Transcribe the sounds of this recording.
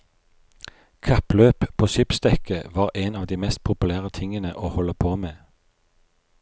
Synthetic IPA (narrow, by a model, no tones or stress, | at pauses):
kʰɑpløːppʰoːʃʏpst̪ɛkəʋɑːʁʔeːnɑːʋd̪iːmɛst̪̚pʰʊpʉlæːʁət̪ʰɪŋənəʔoːhɔləpʰoːmeː